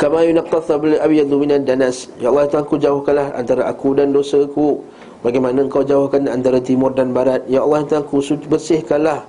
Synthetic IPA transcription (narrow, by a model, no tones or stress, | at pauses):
kamajunaqːɑtˤblʔabjad̪minadanasjaʔɑlːɑh̪t̪aŋkud͡ʒaʊhkanlaha̰nt̪aɾaʔakudandosəku | baɡajmanaəŋkawd͡ʒaʊhkandiant̪aɾat̪imʊrdanbaɾat̪̚jaːlːɑhənt̪aŋkusubərsɪhkanlah